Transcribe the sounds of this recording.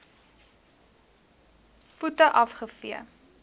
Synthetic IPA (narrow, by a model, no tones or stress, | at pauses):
futəʔɐfχəfiə